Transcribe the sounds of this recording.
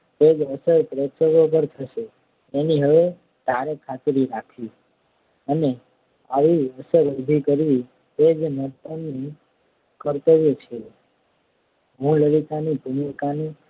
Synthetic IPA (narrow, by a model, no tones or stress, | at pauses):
t̪ed͡ʒəsəɾpɾet̪səʋopəɾt̪ʰəʃeː | niɦəʋe | t̪aɾekʰat̪ɾiɾakʰi | əne | a̰ʋiəsəɾəbʱikəɾʋi | t̪ed͡ʒmət̪ənːi | kəɾt̪əʋet͡ʃʰe | ɦũləɽit̪anibʱuməkani